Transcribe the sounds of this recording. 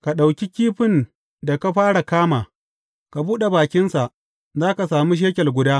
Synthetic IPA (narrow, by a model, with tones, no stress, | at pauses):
ka˨ɗa˨wkʲi˦kʲiː˦ɸɪ˦n | da˨ka˦ɸaː˦ɽa˨kaː˦maː˨ | ka˨buː˦ɗe˨baː˨kʲɪ˦nsa˨ʔ | zaː˦ka˨saː˨mi˦ʃ̬eː˦kʲɛ˨rɡʷʊ˦daː˦